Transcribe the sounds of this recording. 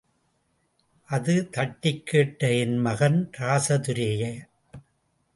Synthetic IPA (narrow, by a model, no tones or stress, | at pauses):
ʔɐðɯt̪ɐʈːɪkːeːʈːɐɪnmɐɣɐnɾaːsɐt̪ʊɾeːjɐ